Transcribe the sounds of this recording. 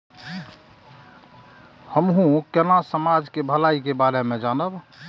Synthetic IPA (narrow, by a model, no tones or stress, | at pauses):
həmɦũkenasəmad͡ʒkebʱəlaikebaɾemẽd͡ʒanəb